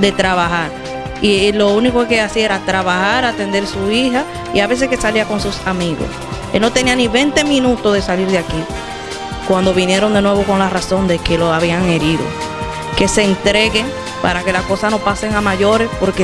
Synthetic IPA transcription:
d̪e̞t̪ɾaβaɦaɾ | ilo̞unikoke̞asie̞ɾat̪ɾaβahaɾat̪e̞nd̪e̞ɾsuiɦa | ḭaβe̞s̬e̞ske̞saliako̞ŋsusamiɣo̰s | elno̞t̪e̞nianiβe̞nt̪e̞mĩnut̪oðesaliɾðeaki | kwand̪oβ̞inje̞ɾo̞nd̪e̞nwe̞βo̞ko̞ŋlaraso̞nd̪e̞ke̞lo̞aβiaŋe̞ɾiðo̞̰ | ke̞se̞ːnt̪ɾe̞ɣeŋ | paɾake̞lasko̞sano̞paseŋamaʝo̞ɾe̞spo̞ɾke

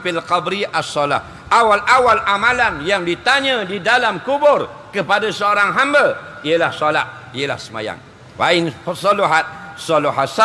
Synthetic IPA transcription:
filqabɾiʔasːɔla̰h | ʔawalʔawalʔamãlanjaŋdit̪aɲə̃didalamkubʊr | kəpadasəoɾaŋɦambə | ijəlahsola̰h | iəla̰hsəma̰ja̰ŋ | wa̰ɪnpəsɔluɦat̪̚sɔloɦasa

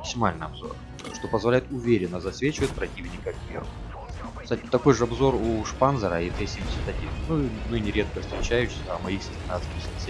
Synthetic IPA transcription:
əksʲɪmalʲnɨjɐbzo̞̰r | ʂt̪o̞pəzvɐlʲæjɪt̪ʊvʲeɾʲɪnːəzɐsvʲet͡ɕɪvət̪̚ʲpɾɐtʲivnʲɪkəkvʲḛr | st̪atʲɪt̪ɐko̞jʐɨɐbzo̞ruʂpanzəɾəit̪ɛsʲimʲdʲɪsʲɪt̪ɐdʲinnuimɨnʲɪɾʲe̞t̪̚kəfst̪ɾʲɪt͡ɕæjʉɕʲɐmɐixsʲɪsʲt̪ʲɪnat̪skʲɪxʲsʲe

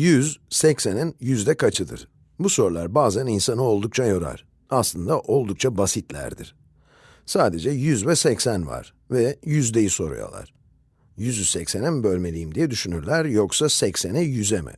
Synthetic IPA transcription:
jyzsɛcseninjyzd̪ɛkʰat͡ʃʰɯd̪ɯ̰ɾ̥ | buso̞ɾlˠa̰ɾbaːzæninsanɯo̞lˠd̪uk̚t͡ʃʰajo̞ɾa̰ɾ̥ | aslˠɯnd̪aʔo̞lˠd̪uk̚t͡ʃʰabasit̪lʲæ̰ɾd̪ḭɾ̥ | saːd̪e̞d͡ʒɛjyzvɛsɛcsænva̰ɾ̥ | vɛjyzd̪e̞jiso̞̰ɾṵjo̰lˠa̰ɾ̥ | jyzysɛcsenimbølʲme̞lʲijimd̪ijɛd̪yʃynyɾlʲæɾjoksasɛcse̞nijyzɛmɛ̰

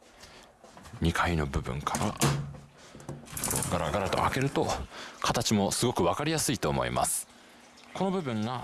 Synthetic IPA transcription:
ɲ̟ikʰaino̞bɯ̟bɯ̟̰̃ŋkʰaɾa̰ | ɾo̰ɡaɾaɡaɾat̪o̞ʔa̰ke̞ɾɯ̟t̪o̞kʰat̪at͡ɕimo̞sɨɡo̞kɯ̟βakaɾʲijasɨit̪o̞ːmo̞̰ḭmʔa̰sɨ̥ | ko̞no̞bɯ̟bɯ̟̃ŋɡa

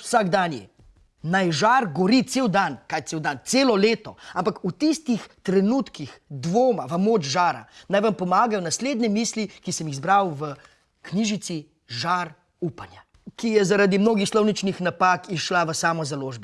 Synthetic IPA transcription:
wsaɡd̪anjɛ̰ | najʒaɾɡɔɾit̪seːwd̪ankajtseːwd̪ant̪seːlɔleːt̪ɔampakut̪ist̪ixt̪ɾɛnut̪kixd̪ʋoːmaʋɐmoːt͡ʃʒaːɾa̰najʋampɔmaːɡajɔnasleːd̪nʲɛmiːslikisɛmiɣzbɾawʋə | kniʒit̪si | ʒaɾ | upanja | kijɛzaɾad̪imnoːɡixslɔwnit͡ʃnixnapakiʃlaʋəsaːmɔzaloːʒbɛ

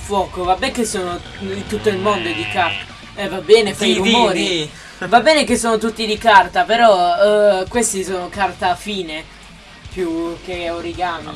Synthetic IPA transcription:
fwɔːkovabɛŋkesːoːno | it̪ut̪ːoilmond̪od̪ikat̪a | ɛvabːɛːnefaiumoːɾi | vabːɛːnek̬esːoːnot̪̬ut̪ːid̪ikart̪apeɾɔ | kwest̪isoːnokart̪aːfiːne | pjuk̟ːeoɾiɡani

